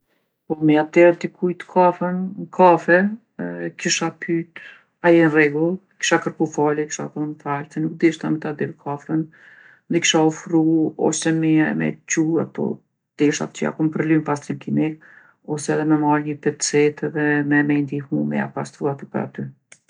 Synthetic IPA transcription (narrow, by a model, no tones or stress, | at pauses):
pɔmɛat̪ɛɾt̪ikʰujt̪ə̥kʰafənkʰafɛ | kiʃapʰyt̪ | ajɛnrɛɡulˠki̥ʃakəɾkufaliki̥ʃa̰θɔnθaɾt͡sɛnuk̚d̪iʃt̪amɛt̪ad̪iɾkʰafən | ðɛki̥ʃaɔfɾuɔ̰sɛmimɛ̰t͡ʃua̰pɔ̰ | d̪̥ɛʃa̰t̪̚t͡ɕəa̰kumpəɾlympast̪ɾinkimik̚ | ɔsɛːðɛmɛmaɾɲəpɛt̪t͡sɛt̪ɛðɛmɛmɛnd̪ihumɛ̰a̰past̪ɾuat̪əpəɾa̰t̪y